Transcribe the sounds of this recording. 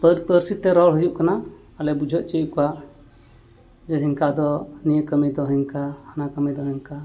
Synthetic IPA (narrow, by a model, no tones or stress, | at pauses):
pəɾpəɾsit̪ɛɾɔɽɦujuʔkana | alɛbud͡ʒʱɔʔ̪̚t͡ʃijuʔkɔwa | d͡ʒəɦiŋkad̪ɔnijəkəmid̪ɔɦiŋkahanakəmid̪ɔɦiŋka